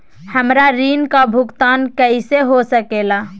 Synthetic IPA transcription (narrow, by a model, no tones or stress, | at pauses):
həmɾaɾiːnkabʱʊɡt̪aːnkəɪseɦosəkeːlaː